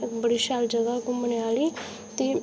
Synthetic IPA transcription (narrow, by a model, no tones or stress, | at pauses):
ɪkbəɽiʃaːld͡ʒəɡakũməneaːliː | t̪eː